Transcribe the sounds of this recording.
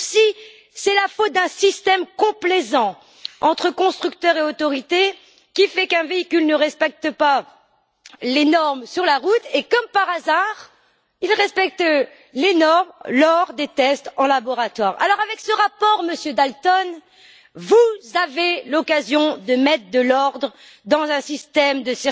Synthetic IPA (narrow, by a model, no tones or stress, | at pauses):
si | sɛlafot̪̚d̪ɛ̃sist̪ɛmkɔ̃plezɑ̃ | ɑ̃t̪χəkɔ̃st̪χykt̪œʁeot̪ɔʁit̪e | kʲifɛkɛ̃veikʲylnəʁɛspɛk̚t̪əpa | lenɔʁmsyʁlaʁut̪ekɔmpaʁazaʁ | ilʁɛspɛk̚t̪ | lenɔʁmlɔʁd̪et̪ɛst̪ɑ̃labɔʁat̪waːʁa̰lɔʁavɛksəʁapɔʁməsjød̪alt̪ɔn | vuzavelɔkazjɔ̃d̪əmɛt̪χəd̪əlɔʁd̪ʁə | d̪ɑ̃zɛ̃sist̪ɛmd̪əsɛ